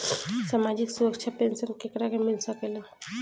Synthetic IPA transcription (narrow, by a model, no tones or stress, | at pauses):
samad͡ʒiksuɾəkt͡ʃʰapensənkekɾakemilsəkela